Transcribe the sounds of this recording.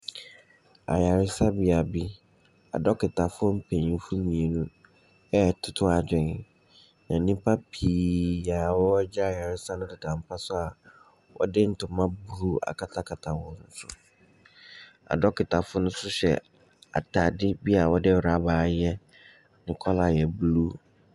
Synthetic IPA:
a̰˨ja˨ɾɪ˦sa˦bi˦a˨bi˦ | a̰˨dɔ˦kɪ˨tʰa˨fʊ˦ɔ˦m̩˦pʰẽ˨ɲĩ˦fu˦mĩ˨e˨nũ˦ | ɛ˦tʰʊ˦tʰʊ˦a˨dᶣɪ˨n˨ | nã˨nĩ˦mpʰa˦pʰiː˨ja˨wɔ˦d͡ʑɛ˦a˨ja˨ɾɪ˦sa˦nʊ̃˦dɪ˨dã˨m˨pʰa˦sʊ˦a˨ | wʔɔ̰˦dɪ˦n̩˨˦tʰʊ˨mã˦bu˨ɾu˦a̰˨kʰa˨tʰa˦kʰa˨tʰa˨wɔ̃˨n̩˦sʊ̰˦ | a̰˨dɔ˦kɪ˨tʰa˨fʊ˦nʊ̃˦sʊ˦ɕɛ̰˨ | a̰˨tʰa˨dɪ˦bi˦a˨wɔ˦dɪ˦wɾa˨baː˨˦jɛ˦ | nɪ̃˨kʰɔ˦la˨jɛ˨blu˦

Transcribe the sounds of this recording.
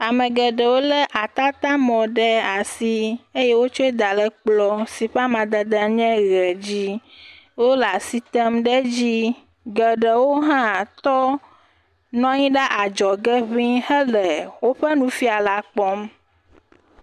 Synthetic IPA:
a˨mə̃˨ɡə˨ɖə˨wo˦lə˦ʔa˨t̪a˦t̪a˦mɔ̃˨ɖɛ˦a˨si˦e˦jɛ˦wo˦t͡ʃo˦e˦d̪a˨lɛ˦k͡plɔ˦si˨ɸa˦mã˨d̪ə˦d̪ə˨ɲɛ̃˦ɣɛ˨d͡ʑi˦ | wo˦la˨si˦t̪ɛ˦mɖɛ˦d͡ʑi˦ | ɡə˨ɖɛ˨wo˦ɦã˦t̪ɔ˦ | nɔ̃˦ɲĩ˦ɖa˦ʔa˨d͡ʒɔ˨ɡɛ˦ɸĩ˦hə˦lɛ˨wo˦ɸɛ˦nũ˦fi˦a˨la˦k͡pɔ˦m

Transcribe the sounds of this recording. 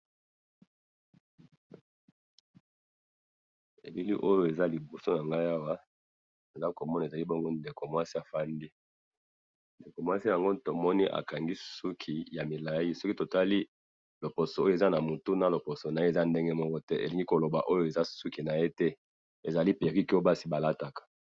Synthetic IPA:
ḛ˨li˦lḭ˦ʔo˦jo˦e˨za˦li˨bo˨so˦na˨ŋɡa˦ja˦wa˦ | e˨za˦ko˨mɔ˦na˨e˨za˨li˦bo˦ŋɡo˦nde˨ko˨mwa˦si˦a˨fa˦ndi˦ | nde˨ko˨mwa˦si˦ja˨ŋɡo˦to˨mɔ˦ni˦ʔa̰˨ka˨ŋɡi˦su˦kʰi˨ja˨mi˨la˨ji˦sɔ˦ki˦to˨ta˦li˦ | lo˨po˨so˨o˦jo˦e˨za˦na˨mu˨tu˦na˨lo˨po˨so˨na˨je˦e˨za˦nde˦ŋɡe˦mɔ˦kɔ˦tɛ˦ʔḛ˨li˨ŋɡi˦ko˨lo˨ba˨ʔo˦jo˦e˨za˦su˦ki˨na˨je˦tɛ˦ | e˨za˨li˦pe˨ʁi˦ki˦o˦ba˦si˦ba˨la˦ta˨kḁ˨

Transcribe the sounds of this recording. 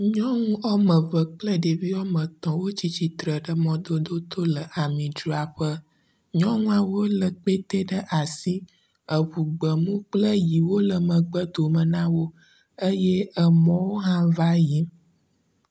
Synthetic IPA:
ɲɔ̃˦ŋũ˦ʔɔ˦mə̃˨və˨k͡plə˦ɖe˨vi˦ɔ˦mə̃˨t̪ɔ̃˨wo˦t͡ɕi˦t͡ɕi˨t̪ɾə˨ɖə˦mɔ̃˨d̪o˦d̪o˦t̪o˦lə˨ʔa˨mĩ˨d͡ʒu˨˦a˨ɸə˦ | ɲɔ̃˦ŋũ˦a˨wo˦lə˨k͡pe˦t̪e˦ɖə˦ʔa˨si˦ | ə˨βu˨ɡ͡bə˨mũ˦k͡plə˦ji˨wo˦lə˨mə̃˨ɡ͡bə˦d̪o˨mə˨nã˦wo˦ | ə˦je˦ə˨mɔ̃˦wo˦ɦã˦va˦ji˦

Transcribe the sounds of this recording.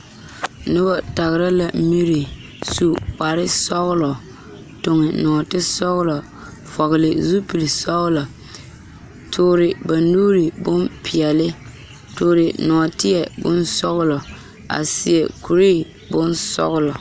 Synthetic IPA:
nʊ˦bɔ˦ta˨ɣɪ˨ɾa˦la˨mi˦ɾi˨ | su˦k͡pa˨ɾɪ˦sɔ˦ɣʊ˦lɔ˨ | tʊ˨ŋɪ˨nɔ˨tɪ˦sɔ˦ɣʊ˦lɔ˨ | fɔ˨ɣɪ˨lɪ˨zu˦pi˨li˨sɔ˦ɣʊ˦lɔ˨ | tʰʊː˨ɾɪ˨ba˨nːuː˦ɾi˨bʊ˦mpʰɪ˨ɛ˨lɪ˦ | tʊː˨ɾɪ˨nɔ˨tɪ˦ɛ˨bʊ̰˦nsɔ˦ɣʊ˦lɔ˨ | a̰˨sɪ˨ɛ˨ku˨ɾiː˦ | bʊ˦nsɔ̰˦ɣʊ˦lɔ˨

